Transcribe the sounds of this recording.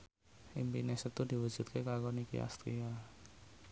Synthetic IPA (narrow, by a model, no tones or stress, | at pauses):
ʔimpinesət̪ud̪̥i̤wud̥ʒ̥ṳt̪̚kʰekakɔnikḭʔa̰st̪ɾḭa